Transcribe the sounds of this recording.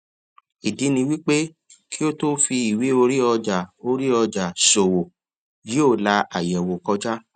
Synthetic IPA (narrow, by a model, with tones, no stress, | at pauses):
i˨di˨˦nĩ˧wi˦k͡pe˦ | ki˦o˦to˦fi˧i˨wi˨˦o˧ɾi˦ɔ˧d͡ʒa˨o˧ɾi˦ɔ˧d͡ʒa˨so˨wo˨ | ji˨˦o˦˨la˧a˨jɛ˨wo˨kɔ˧d͡ʒa˦